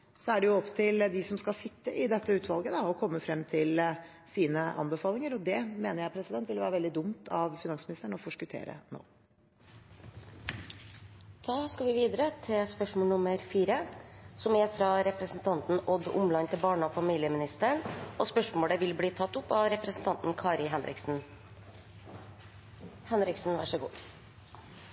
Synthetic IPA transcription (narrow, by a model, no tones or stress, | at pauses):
sɔæɖɛjʊɔpːt̪ʰɪld̪ɪsɔmskɑlsɪt̪ːəʔɪd̪ɛt̪ːəʉːt̪ʰʋɑlɡəd̪ɑɔkʰɔmːəfɾɛmːt̪ʰɪl | siːnəʔɑ̰nbəfɑːlɪŋəɾɔd̪ɛmeːnəɾjæɪpʰɾɛsɪd̪ɛnt̪ʋɪlʋæːɾəʋɛld̪ɪd̪ʊmt̪ʰɑʋfɪnɑŋsmɪnɪst̪əɳɔfɔʂkʉt̪ʰḛːɾə̰no̰ː | d̪̥ɑːskɑʋɪʋiːd̪əɾət̪ʰɪlspœʂmoːlɳʊməɾfiːɾəsɔmɛfɾɑɾɛpɾəsn̩t̪ʰɑnt̪n̩ʔɔd̪ʊ̰mlɑnt̪ʰɪlbɑːɳɔfɑmiːlɪəmɪnɪst̪əɳɔspœʂmoːɽəʋɪlbliːt̪ʰɑt̪ːʊpːɑʋɾɛpɾəsn̩t̪ʰɑnt̪n̩kʰɑːɾɪɦɛnɾɪ̰ksn̩ | hɛnɾɪksn̩ʋæʂɔɡṵː